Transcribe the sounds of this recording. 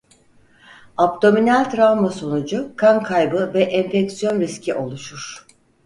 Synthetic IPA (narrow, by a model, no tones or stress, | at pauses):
apt̪ʰo̞minælʲt̪ɾavmaso̞nud͡ʒukʰaŋkʰajbɯvɛʔɛnfɛksijo̞nɾiscʰiʔo̞lˠuʃuɾ̥